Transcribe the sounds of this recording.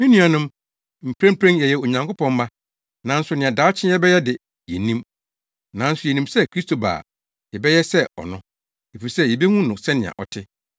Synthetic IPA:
mĩ˦nũ˦a˨nʊ̃˦m | m̩˨pʰɾẽ˦mpʰɾẽ˦njɛ˨jɛ˨o˨ɲã˨ŋkʰo˦pʰɔ̃˦m˦ma˦ | nã˨n̩˦sʊ˨˦nɪ̃˨ã˨daː˨˦t͡ɕʰɪ̃˦ɛ˦bɛ˦jɛ˦dɪ˨ | jɛ˨nĩ˦m | nã˨˦n̩˦sʊ˨jɛ˨nĩ˨msɛ˦kʰɾi˦stʰo˨ba̰ː˨ | ɛ˨bɛ˦jɛ˦sɛ˦ɔ̰˨nʊ̃˦ | e˨fi˨ɾi˨sɛ˦jɛ˨be˦ŋũ˦nʊ̃˨sɛ˦nɪ̃˨ã̰˨ʔɔ˨tʰɪ˦

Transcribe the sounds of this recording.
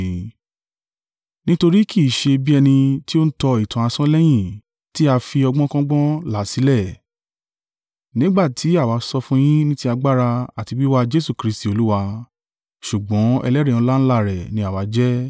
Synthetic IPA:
nĩ˦to˧ɾi˦kʰi˦˨ʃe˧bi˦ɛ˧nĩ˧ti˦o˦n̩˦tɔ˧i˨tã˨a˧sɔ̃˦lɛ˦j̃ĩ˦˨ | ti˦a˧fi˧ɔ˧ɡ͡bɔ̃˦kɔ̃˦ɡ͡bɔ̃˦la˨˦˨si˨˦lɛ˦˨ | nĩ˦ɡ͡ba˦˨tʰi˨˦a˦˨wa˨˧˦sɔ˧fũ˦j̃ĩ˦nĩ˦ti˦a˧ɡ͡ba˦ɾa˧a˨ti˨˧wi˦wa˧d͡ʒe˦su˦˨kɾi˧˦sti˨o˧lu˦wa˧ | ʃu˨ɡ͡bɔ̃˨˦ɛ˧lɛ˦ɾĩ˦˨ũ˧la˦ñ̩˦la˦˨ɾɛ˨nĩ˧˦a˨wa˨˧˦d͡ʒɛ˦

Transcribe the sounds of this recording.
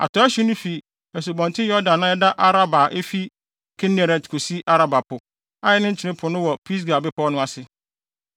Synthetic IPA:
a̰˨tʰɔ˦æ˦ɕu˦nʊ̃˦fi˨ | ɛ˨s̬u˨bɔ̃˨ntʰɪ˦jɔ˦dã˨nːã˦ɛ˦da˦ʔa˦ɾa˦ba˨ʔe˦fi˦ | kʰɛ˦nɛ˨ɾɛ˨tkʰo˨si˦ʔa˦ɾa˦ba˨pʰʊ˨ | a˦jɛ˦nʊ̃˦ɲ̩˦t͡ɕʰɪ˨nɪ̃˦pʰʊ˨nʊ̃˦wɔ˨pʰi˦s̬ɡa˨bɪ˦pʰɔ˦nʊ̃˦a˨sɪ˨

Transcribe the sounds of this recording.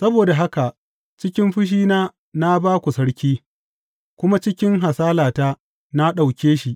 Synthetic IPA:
sɐ˦boː˨da˨ɦa˦ka˨ʔ | t͡ʃɪ˦kʲɪ˦mɸɪ˦ʃ̬iː˦naː˦ | na˦baː˦kʷu˨sɐ˦ɽkʲiː˦ | kʷʊ˦ma˦t͡ʃɪ˦kʲɪ˦ŋɦa˨saː˦laː˨ta˦ | na˦ɗa˨wkʲeː˦ʃi˨ʔ

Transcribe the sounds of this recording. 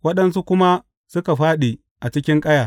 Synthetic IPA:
wɐ˦ɗɐ˦ns̬u˦kʷʊ˦ma˦ | sʊ˦ka˨ɸaː˦ɗi˨ | ʔa˨t͡ʃɪ˦kʲɪ˦ŋkʼɐ˦jaː˨

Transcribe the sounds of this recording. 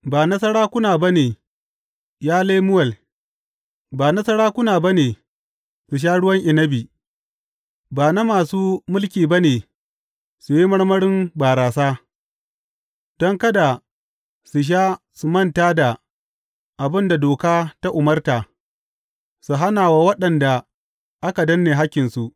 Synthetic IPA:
baː˨nɐ˦sɐ˦ɽaː˦kʷʊ˦naː˨ba˦neː˨ | jaː˦leː˦mʊ˦wɐ˨l | baː˨nɐ˦sɐ˦ɽaː˦kʷʊ˦naː˨ba˦neː˨ | su˨ʃ̬aː˦ɽʊ˦wɐ˦ŋʔɪ˨nɐ˦biː˨ | baː˨na˦maː˨suː˦mʊ˦lkʲiː˨ba˦neː˨ | su˨ji˦mɐ˦ɽmɐ˦ɽɪ˦mbaː˨ɾaː˨saː˦ | d̥ɔ˦ŋkɐ˦da˨ | su˨ʃ̬aː˦ | su˨mɐ˦ntaː˦da˨ | ʔa˨bɪ˦nda˨doː˨kaː˦ta˦ʔʊ˨mɐ˦rtaː˨ | su˨ɦa˦naː˨wa˦wɐ˦ɗɐ˨nda˨ | ʔa˦ka˨dɐ˦nːeː˨ɦa˦kʲːɪ˨nsu˨ʔ

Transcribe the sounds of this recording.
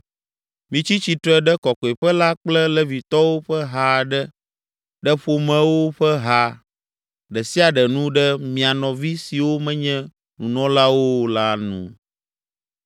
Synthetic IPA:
mĩ˨t͡ɕi˦t͡ɕi˨t̪ɾɛ˦ɖɛ˦kɔ˨kɔ˨e˨ɸɛ˦la˦k͡plɛ˦lɛ˦vi˨t̪ɔ˦wo˦ɸɛ˦ɦa˦˨ɖɛ˦ | ɖɛ˦ɸo˨mɛ̃˦wo˦ɸɛ˦ɦa˦ | ɖɛ˨si˦a˨ɖɛ˨nũ˦ɖɛ˦mĩ˨a˨nɔ̃˨vi˦si˨wo˦mɛ̃˦ɲɛ̃˦ | nũ˨nɔ̃˦la˦wo˦la˦nṵ̃˨

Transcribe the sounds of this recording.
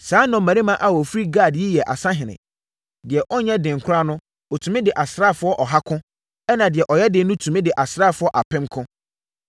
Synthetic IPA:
saː˨˦nʊ̃˨mæ̃˨ɾĩ˦mã˦ʔa˨wɔ˨fɾi˦ɡaː˦˨dji˦jɛ˨ʔa̰˨sã˦ɦɪ̃˨nɪ̰̃˨ | dɪ˨ɛ˨ʔɔ˦ɲɛ̃˦dɪ̃˨ŋ̩˨kʷʰʊ˦ɾa˦nʊ̃˦ | ɔ˨tʰũ˨mɪ̃˦dɪ˨ʔa˨sɾaː˦˨fʊ˨˦ɔ˦ʔɔ˨ɦa˦kʰʊ̃˦ | ɛ˦nã˨dɪ˨ɛ˨ʔɔ˨jɛ˦dɪ˨˦nʊ̃˦tʰũ˨mɪ̃˦dɪ˨ʔa˨sɾa˦˨fʊ˨˦ɔ˦ʔa˨pʰɪ̃˦mkʰʊ̃˦

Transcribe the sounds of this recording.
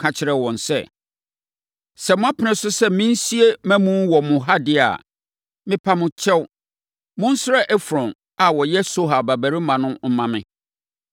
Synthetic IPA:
kʰa˨t͡ɕʰɪ˨˦ɾɛ˨wɔ̃˨nsɛ̰˨ | sɛ˨mʊ̃˦a˦pʰɪ˨˦nɪ̃˦sʊ˦sɛ˦mĩ˦n̩˦si˦e˦mæ̃˦mũ˦m˦wɔ˨mʊ̃˨ɦa˦dɪ˦a̰˨ | mɪ̃˦pʰa˦mʊ̃˦t͡ɕʰɛ˦w | mʊ̃˦n̩˦sɾɛ˦ʔɛ˦fɾɔ̃˨n | a˨wɔ˨jɛ˦so˦ɦa˨ba˨bæ˨ɾi˦mã˨nʊ̃˦m̩˦mã˨mɪ̰̃˨

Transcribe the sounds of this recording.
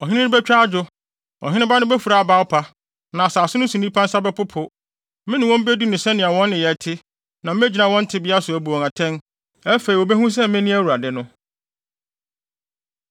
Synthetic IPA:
ɔ˨ɦɪ̃˦nɪ̃˦nɪ̃˦bɛ˦t͡ɕᶣa˦a˦d͡ʑʊ˦ | ɔ̰˨ɦɪ̃˦ɪ̃˦ba˦nʊ̃˦bɛ˦fu˨ɾa˨a˨baː˦wpʰa˦ | nã˨a˨saː˨sʊ˦nʊ̃˦sũ˨nĩ˦pʰã˦n̩˦sa˦bɛ˦pʊ˦pʰʊ˦ | mɪ̃˦nɪ̃˨wɔ̃˦m̩˦be˦du˦nʊ̃˨sɛ˦nɪ̃˨a˨wɔ̃˦nːɪ̃˨jɛ˨tʰɪ˦ | nã˨m̩˦d͡ʑi˨nã˨wɔ̃˦n̩˦tʰɪ˦bɪ˦a˦sʊ˨æ˨bu˨ɔ̃˨ŋa˨tʰɛ̃˦n | æ˦fe˨ɾi˨ɔ˨be˦hũ˦s̬ɛ˦mɪ̃˦nɪ̃˦æ˦˨wu˨ɾa˨dɪ˦nʊ̃˦

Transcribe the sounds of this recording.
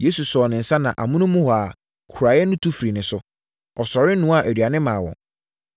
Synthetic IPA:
je˦su˨sɔː˨nɪ̃˨n̩˨sã˦nã̰˨ʔa̰˨mʊ̃˦nʊ̃˦mʊ̃˦hɔ˨a˨ | kʰu˨ɾa˨˦jɛ˦nʊ̃˦tʰu˦fɾi˨nɪ̃˨sʊ˦ | ɔ˨sɔ˨ɾɪ˦n̩˦nũ˦a˨ʔæ˨dɥa˨nɪ̃˦mãː˨wɔ̰̃˨ŋ

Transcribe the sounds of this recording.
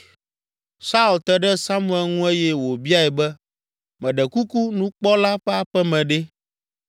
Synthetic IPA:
sa˦u˨lt̪ɛ˦ɖɛ˦sa˦mũ˦˨ɛ˨lŋũ˦e˦jɛ˦wo˨bi˦a˦ɛ˨bɛ˦ | mɛ̃˨ɖɛ˨ku˦ku˦nũ˦k͡pɔ˦la˦ɸɛ˦a˨ɸɛ˦mɛ̃˨ɖɛ˦

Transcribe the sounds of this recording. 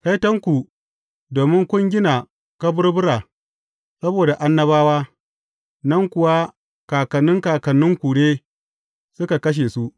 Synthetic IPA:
ka˦jtɐ˦ŋkʷu˨ | doː˨mɪ˦ŋkʷʊ˦ŋɡʲɪ˦na˨ | kɐ˦bʊ˦rbʊ˦ɾaː˨ | sɐ˦boː˨da˨ʔa˦nːɐ˦βaː˦waː˦ | nɐ˦ŋkʷʊ˨wa˦ | kaː˨kɐ˨nːɪ˦ŋkaː˨kɐ˨nːʊ˦ŋkʷuː˨ɽeː˦ | sʊ˦ka˨kɐ˦ʃ̬eː˨su˦ʔ

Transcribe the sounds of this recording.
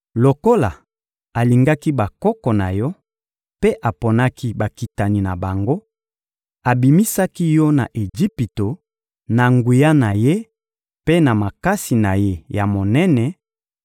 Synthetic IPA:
lo˨ko˦la̰˨ | a˨li˨ŋɡa˦ki˦ba˨kɔ˦kɔ˨na̰˨jɔ˦ | pe˦ʔa˨po˨na˦ki˦ba˨ki˨ta˨ni˨na˨ba˨ŋɡo˦ | a˨bi˨mi˦sa˦ki˦jɔ˦na̰˨ʔe˨d͡ʒi˦pi˨to˨ | na˨ŋɡu˨ja˦na˨je˦ | pe˦na˨ma˨ka˦si˨na˨je˦ja˨mo˨nɛ˦nɛ˨

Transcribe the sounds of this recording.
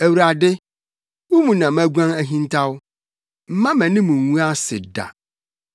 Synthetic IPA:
æ˨wu˨ɾa˨dɪ˦ | wʊ˦mũ˨nã˨mæ̃˦ɡʷã˦ŋæ˦ɦĩ˦n˦tʰa˦wʊ˦ | m̩˦mã˦mæ̃˨nɪ̃˦mũ˨wũ˦a˦sɪ˨da̰˨

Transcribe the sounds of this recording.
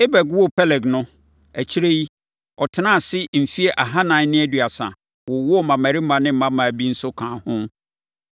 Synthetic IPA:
e˦bɛ˨ɡwɔ˦pʰɛ˦lɛ˨ɡnʊ̃˦ | æ˨t͡ɕʰi˦ɾe˦i˦ | ɔ˨tʰɪ˨˦nã˦˨sɪ˦m̩˨fi˦e˦ʔa˨ɦã˦nã˨˦nɪ̃˦æ˦˨dɥa˨sã̰˨ | wɔ˨wɔ˦˨mã˨mæ˨ɾi˦mã˨nɪ̃˦m̩˦mã˦mã˨bi˦n̩˦sʊ˦kʰãː˨hʊ̃˦

